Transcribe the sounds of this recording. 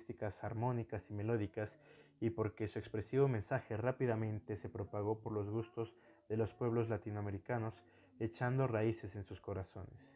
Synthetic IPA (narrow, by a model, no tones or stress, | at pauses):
st̪ikasaɾmo̞nikasime̞lo̞ðikas | ipo̞ɾke̞sue̞kspɾe̞siβo̞mẽ̞nsaxe̞rapiðamẽ̞nt̪e̞se̞pɾo̞paɣ̞o̞po̞ɾlo̞zɣust̪o̞z | ðe̞lo̞spwe̞β̞lo̞zlat̪inoame̞ɾikano̞s | e̞t͡ʃand̪o̞raise̞se̞nsusko̞ɾaso̞̰ne̞̰s